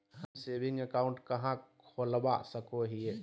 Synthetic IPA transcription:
ɦəmseːbɪ̃ŋɡəkaːʊ̃ɳʈkɐɦãkʰoləba̰səkoɦieː

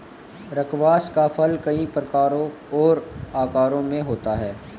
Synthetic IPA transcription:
ɾɐkʋaːskafʰɐlkɐipɾəkaːɾõ | ɔːɾaːkaːɾõmẽɦoːt̪aɦɛː

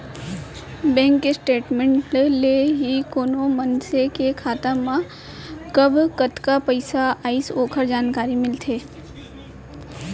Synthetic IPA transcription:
bɛ̃ːŋkːesʈeːʈmẽɳʈleɦikoːnomənsekekʰaːt̪amã | kəbʱkət̪kapəɪsaaːisoːkʰəɾd͡ʒaːnkaːɾimɪlt̪ʰeː

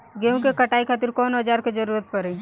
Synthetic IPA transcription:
ɡeũkekɐʈaːikʰaːt̪ɪɾkɔːnɐd͡ʒaːɾked͡ʒɐɾuːɾət̪pɐɾeː

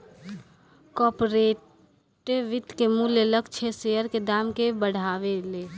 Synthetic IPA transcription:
kɔpoɾe | ʈeʋɪt̪kemuleləkt͡ʃʰesejəɾked̪aːmkebəɽ̤ʱaːʋele

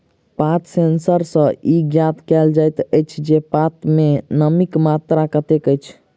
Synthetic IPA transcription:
pat̪sensəɾsə̃iɡjat̪kɛld͡ʒajt̪əjt͡ʃʰd͡ʒepat̪menəmikmat̪ɾakət̪ekəjt͡ʃʰ

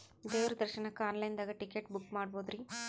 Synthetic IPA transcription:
d̪eːʋɐɾɐd̪ɐɾʃɐnɐkːaːnlɐjnd̪aːɡɐʈikeʈbukːmaːɽboːd̪ɾi

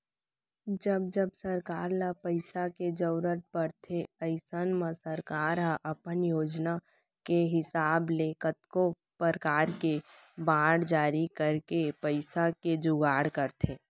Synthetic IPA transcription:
d͡ʒəb̚d͡ʒəbsəɾkaːɾlapəɪsaked͡ʒəʊɾət̪̚pəɾt̪ʰeəɪsənmə̃səɾkaːɾɦãʔəpənjoːd͡ʒna | keɦɪsaːbleːkət̪ko | pəɾkaːɾke | baːɽd͡ʒaːɾikəɾkepəɪsaked͡ʒʊɡaːɽkəɾt̪ʰeː

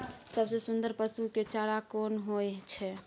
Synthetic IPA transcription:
səbsesund̪əɾpəsuket͡ʃaɽakonɦojt͡ʃʰɛ

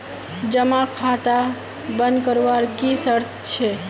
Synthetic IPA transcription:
d͡ʒəmakʰat̪a | bənd̪kəɾʋaɾkisəɾt̪t͡ʃʰe

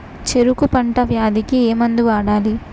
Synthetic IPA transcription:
t͡ʃe̞ɾukupɐɳʈɐʋjaːd̪ikieːmɐnd̪uʋaːɽaːli

